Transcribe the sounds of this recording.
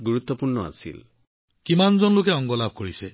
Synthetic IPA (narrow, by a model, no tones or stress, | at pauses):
ɡuɹut̪ːɔpuɹnɔa̰sḭl | kimanzɔnlokɛɔŋɡɔlab̚ʱkoɹisɛ